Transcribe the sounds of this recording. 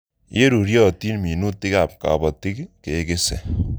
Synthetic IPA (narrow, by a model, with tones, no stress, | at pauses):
je˦ɾu˨ɾjɔ˦˨ti˦nmi˨nu˦tɪ˦ka˨p̚ka̰˨bɔ˨ti˦kke˨ke˦sḛ˨